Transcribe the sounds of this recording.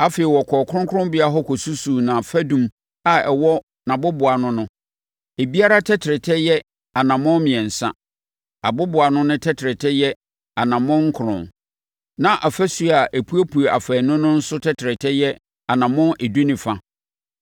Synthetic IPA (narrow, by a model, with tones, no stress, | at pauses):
a˦fe˨i˨wɔ˨kʰɔː˨kʰʊ˦ɾʊ̃˦ŋkʰʊ˦ʊ̃˦bɪ˦a˦ɦɔ˦kʰɔ˨su˦su˨nã˨fæ˦dũ˦m | a˨ɛ˨wɔ˦ | nã˨bʊ˦bʊ˨a˨nʊ̃˦nʊ̃˦ | e˨bi˦a˦ɾa˦tʰɛ˦tʰɪ˨ɾɪ˨tʰɛ˦jɛ˦ | a˨nã˨mʊ̃˦mɪ̃˨ɛ̃˨n̩˨sã̰˦ | a˨bʊ˦bʊ˨a˨nʊ̃˦nʊ̃˦tʰɛ˦tʰɪ˨ɾɪ˨tʰɛ˦jɛ˦ | a˨nã˨mʊ̃˦ŋ̩˦kʰʊ˨ɾʊ̰̃˨n | nã˨ʔa˨fæ˦su˦a˨ʔe˨pʰu˦æ˦pʰu˨a˨fɛ˨nʊ̃˦nʊ̃˦n̩˦sʊ˦tʰɛ˦tʰɪ˨ɾɪ˨tʰɛ˦jɛ˦ | a˨nã˨mʊ̃˦ʔe˨du˦nĩ˨fa˦